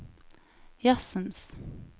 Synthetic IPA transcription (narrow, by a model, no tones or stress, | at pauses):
jasəms